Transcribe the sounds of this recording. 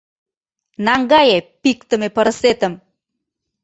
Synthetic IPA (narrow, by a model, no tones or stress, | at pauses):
nɑŋɡɑjepik̚t̪ə̆mepəɾəset̪əm